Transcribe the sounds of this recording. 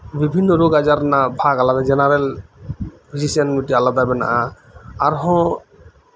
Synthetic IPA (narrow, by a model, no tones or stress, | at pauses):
bibʱinːɔɾoɡazaɾnabʱaɡalad̪ad͡ʒɛnaɾɛl | pʰizisanmitialad̪abɛna̰ʔã | aɹɦɔ̃